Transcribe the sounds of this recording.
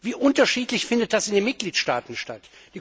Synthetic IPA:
viːʔʊntɐʃiːtlɪçfɪndət̚d̥asɪndeːnmɪt̚ɡ̥liːtʃtaːtn̩ʃtat | d̥iː

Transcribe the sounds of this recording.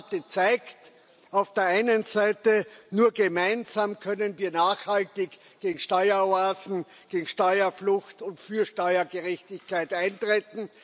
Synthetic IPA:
tət͡saɪkt | aʊfd̥eːɐʔaɪnənzaɪtənuːɐɡemaɪnzaːmkʰœnənviːɐnaːχhaltɪç | ɡ̥eːɡŋ̩ʃtɔʏɐoaːzn̩ | ɡ̥eːɡŋ̩ʃtɔʏɐflʊçtʊntfyːɐʃtɔʏɐɡeʁɛçtɪçkʰaɪtʔãɪntʁ̥eːtn̩

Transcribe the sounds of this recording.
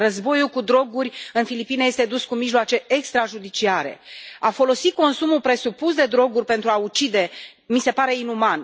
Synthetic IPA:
rəzbo̞julkud̪ɾo̞ɡurʲɨnfilipineje̞st̪e̞d̪uskumiʒloat͡ʃe̞ekst̪ɾaʒud̪it͡ʃiaɾe̞̰afo̞lo̞sit̪̚ko̞nsumulpɾe̞supusd̪e̞d̪ɾo̞ɡurʲpe̞nt̪ɾuaut͡ʃid̪e̞ | mise̞paɾe̞inuman

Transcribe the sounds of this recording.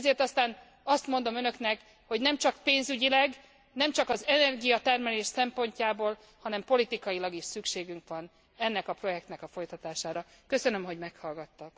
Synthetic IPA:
ɛzeːrt̪ɒst̪aːn | ɒst̪mo̞nd̪o̞mønø̞knɛk | ho̞ɟnɛmt͡ʃɒkpeːnzyɟilɛɡ | nɛmt͡ʃɒkɒzɛnɛrɡijɒt̪ɛrmɛleːʃsɛmpo̞ɲcaːboːl | hɒnɛmpo̞lit̪ikɒjilɒɡiʃsykʃeːɡyŋkʋɒn | ɛnːɛkɒpro̞jɛk̚t̪nɛkɒfo̞jt̪ɒt̪aːʃaːɾɒkø̞sønø̞mɦo̞ɟmɛkhɒlɡɒt̪ːɒk

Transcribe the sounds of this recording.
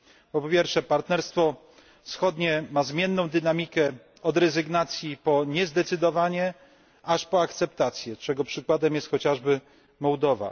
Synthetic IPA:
pɔpʲjɛɾfʂɛpaɾt̪nɛɾst̪fɔ | fsxɔd̪ɲɛmazmʲjɛnːɔ̃w̃d̪ɘnamʲikɛ | ɔd̪ɾɛzɘɡnat̪sʲjipɔɲɛzd̪ɛt̪sɘd̪ɔvaɲɛ | aʂpɔakt̪sɛpt̪at̪sʲjɛt͡ʂɛɡɔpʂɘkwad̪ɛmjɛst̪xɔt͡ɕaʐbɘ | mɔwd̪ɔva̰

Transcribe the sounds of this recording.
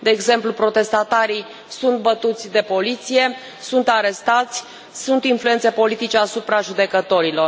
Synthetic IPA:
d̪e̞ːɡze̞mplupɾo̞t̪e̞st̪at̪aɾi | sunt̪̚bət̪ut̪sʲd̪e̞po̞lit̪sije̞ | sunt̪aɾe̞st̪at̪sʲ | sunt̪influet̪se̞po̞lit̪it͡ʃe̞asupɾaʒud̪e̞kət̪o̞ɾilo̞r

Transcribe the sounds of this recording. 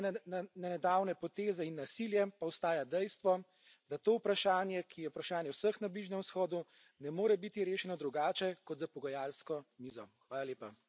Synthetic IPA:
nanɛd̪awnɛpɔt̪eːzɛinːasiljɛpawst̪aːjad̪ɛjst̪ʋɔ | d̪at̪oːwpɾaʃaːnjɛkʰijɛupɾaʃaːnjɛwsəxnabliʒnʲɛmsxɔːd̪u | nɛmoːɾɛbit̪iɾeːʃɛnɔd̪ɾuɡaːt͡ʃɛkɔt̪zapɔɡɐjaːlskɔmiːzɔxʋaːlaljeːpa

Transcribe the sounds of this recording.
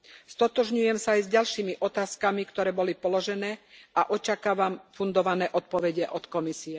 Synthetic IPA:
st̪ɔt̪ɔʒɲujɛmsaːjzɟalʃiːmiʔɔt̪aːskamikt̪ɔɾɛːbɔlipɔlɔʒɛnɛːaʔɔt͡ʃakaːʋamfund̪ɔʋanɛːʔɔt̪̚pɔʋɛɟɛʔɔt̪kɔmisiɛ

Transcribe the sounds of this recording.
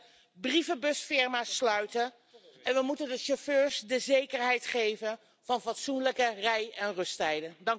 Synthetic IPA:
brivəbɵsfɪɹmaːslœɥtən | ɛnʋəmutəndəʃoføːɹsdəzejkəɹɦɛjtχejvən | v̥ɑnvɑtsunləkərɛjɛnrɵstɛjdədɑŋ

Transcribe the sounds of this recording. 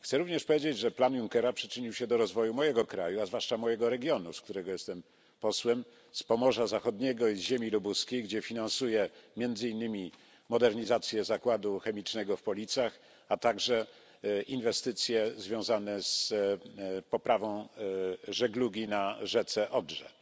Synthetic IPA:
xt̪sɛɾuvɲɛʂpɔvjed͡ʑed͡ʑʐɛplanjuŋkɛɾapʂɘ̥t͡ʂɘɲiwɕɛd̪ɔɾɔzvɔjumɔjɛɡɔkɾajuazvwaʂt͡ʂamɔjɛɡɔɾɛɡʲjɔnuskt̪uɾɛɡɔjɛst̪ɛm | pɔswɛm | spɔmɔʐazaxɔd̪ɲɛɡɔizʑemʲilubuskʲejɡd͡ʑɛfʲinansujɛmʲjɛnd̪zɘinːɘmʲi | mɔd̪ɛɾɲizat̪sʲjɛzakwad̪uxɛmʲit͡ʂnɛɡɔfpɔlʲit̪sjax | at̪aɡʐɛ | invɛst̪ɘt̪sʲjɛzvʲjɔ̃w̃zanɛz | pɔpɾavɔ̃w̃ | ʐɛɡluɡʲinaʐɛt̪sɛʔɔdʐɛ̰

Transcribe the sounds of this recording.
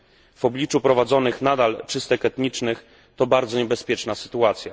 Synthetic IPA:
v̥ɔblʲit͡ʂupɾɔvad̪zɔnɘxnad̪alt͡ʂɘst̪ɛkɛt̪ɲit͡ʂnɘx | t̪ɔbaɾd̪zɔɲɛbɛspʲjɛt͡ʂnasɘ̥t̪uat̪sʲja

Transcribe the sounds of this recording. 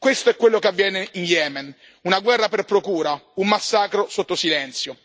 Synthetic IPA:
kwest̪oɛkːwelːokeavːjɛːneinjɛːmɛn | unaɡwɛrːaperpɾokuːɾaumːasːaːkɾosot̪ːosilɛnt̪sjo

